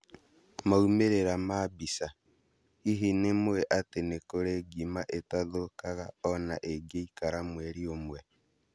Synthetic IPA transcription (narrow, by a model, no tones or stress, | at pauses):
maumeɾeɾamabisa | iɦinemwwɛʔatenekoɾeɡimaʔetaðokaɣaɔna̰ʔeɡeikaɾamwɛɾiomwɛ